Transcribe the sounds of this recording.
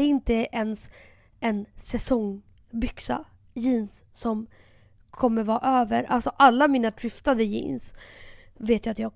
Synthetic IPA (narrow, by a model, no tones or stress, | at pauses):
ɛɪnt̪əʔɛns | ɛnsɛsɔŋ | bʏksa̰ | jiːnsːɔm | kʰɔmːəɾvɑːʔøːvəɾa̰lsɔʔalːamiːnat̪ʰɾʏft̪ad̪əjḭːns | veːt̪jaat̪jɑːɡ